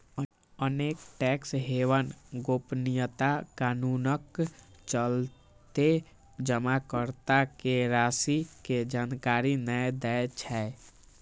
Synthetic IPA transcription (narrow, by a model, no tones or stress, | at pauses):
ənekʈɛksɦeʋənɡopnijət̪akanunəkt͡ʃəl | t̪e | d͡ʒəmakəɾt̪akeɾasiked͡ʒankaɾinəjd̪ɛet͡ʃʰɛ